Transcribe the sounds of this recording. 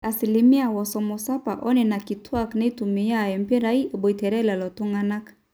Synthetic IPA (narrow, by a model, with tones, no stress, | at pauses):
a˨si˨li˨mi˦a˨wɔ˨sɔ˨mo˨sa˦pa̰˨ʔɔ˦nɛ˨na˨ki˨tʰwa˦˨kna˦i˦tu˨mi˨ja˦˨jɛ˨m˦pi˦ɾa˨˦i˦˨bɔ˨i˨tɛ˨ɾɛ˦la˨lɔ˨tu˦ŋɡa˦na˦kḁ˨